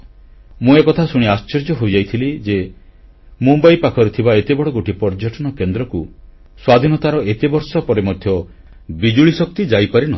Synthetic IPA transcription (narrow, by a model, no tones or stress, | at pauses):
mũekɔt̪ʰasuɽ̃iast͡ʃeɾd͡ʒɔɦojd͡ʒajt̪ʰilid͡ʒe | mumbajpakʰɔɾet̪ʰibaet̪ebɔɽɔɡoʈipɔɾd͡ʒaʈɔñɔkend̪ɾɔku | swad̪ʱinɔt̪aɾɔet̪ebɔɾsɔpɔɾemɔd̪ʱjɔ | bid͡ʒuɭisɔk̚t̪id͡ʒajpaɾinɔ